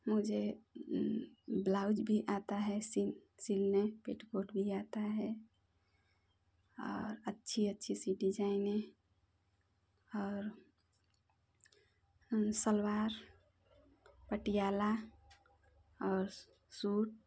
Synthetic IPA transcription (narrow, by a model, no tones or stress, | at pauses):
mʊd͡ʒʱe | blaʊd͡ʒbʱiʔat̪aɦɛsisilnepeʈɡoʈbʱiat̪aɦɛ | ɔːɾətːʃʰiətːʃʰisiɖid͡ʒaɪne | ɔːɾ | səlwaːɾ | pəʈijala | ɔːɾ | suːʈ̚